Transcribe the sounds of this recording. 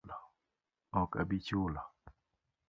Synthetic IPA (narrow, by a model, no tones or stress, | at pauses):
lɔ | ɔkabit͡ʃulɔ